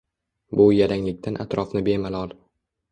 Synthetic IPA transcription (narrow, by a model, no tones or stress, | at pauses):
bʊjaɾaŋlɪk̚ʲt̪ʰanʔat̪ɾɒfnɪbe̞malˠɒlˠ